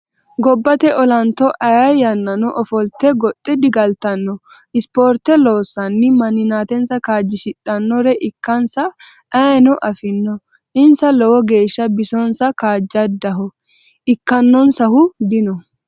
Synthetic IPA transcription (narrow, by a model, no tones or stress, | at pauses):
ɡɔbːɐt̪ɛʔɔlɐnt̪ːɔʔɐjɐjɐnːɐnɔʔɔfɔlt̪ɛɡɔt̪ʼːɛd̪ɪɡɐlt̪ɐnːɔ | ʔɪspoːɾt̪ːɛlo̞ːsːɐnːɪmɐnɪnaːt̪ɛnsɐkaːd͡ʒːɪʃɪᶑɐnːɔɾɛʔɪkːɐnsɐ | ɐjnɔʔɐfɪnːɔ | ʔɪnsɐlɔwɔɡe̞ːʃːɐbɪsɔnsɐkaːd͡ʒːɐd̪ɐɦɔ | ɪkːɐnːɔnsɐhʊd̪ɪnɔ